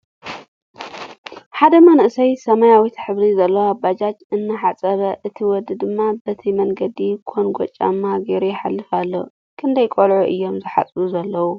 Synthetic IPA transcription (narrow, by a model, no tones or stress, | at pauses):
ħad̪ɐmɐnʔɨsɐjsɐmajawit̪ħɨβɾizɐlːɐwabːad͡ʒad͡ʒɨnːɨħat͡sʼɐβɐʔɨt̪ʰiwɔd̪ɨd̪ɨmːabɐt̪ʰimɐŋɡɐd̪ikʰonɡʷo̰t͡ʃʼːa̰mːaɡeɾejħalːɨfalːo̰ | kʰɨnd̪ɐjkʼolʕuʔɨ̰jːo̞mzɨħa̰t͡sʼuzɐlːɐwu